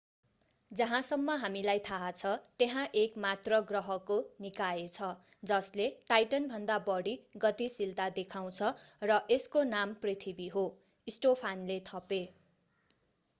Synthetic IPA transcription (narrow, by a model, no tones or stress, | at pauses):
d͡zʌɦãsʌmːʌɦamilajt̪ʰaɦat͡sʰʌt̪eɦãʔekmat̪rʌɡrʌɦʌkonikaet͡sʰʌ | d͡zʌsleʈajʈʌnbʱʌnd̪abʌɽiɡʌt̪isilt̪ad̪ekʰaw̃t͡sʰʌrʌʔeskonamprit̪ʰibiɦo | isʈopʰanlet̪ʰʌpe